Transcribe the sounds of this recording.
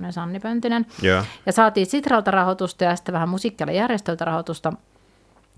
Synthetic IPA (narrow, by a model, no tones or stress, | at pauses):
nesɑnːipønt̪inenjjɑsɑːt̪iːsit̪rɑlt̪ɑrɑhot̪ust̪ɑjɑsi̥t̪ːeʋæhæmmusiˑkːiɑlːɑ̰jærjest̪ølt̪ɑrɑhot̪ust̪ɑ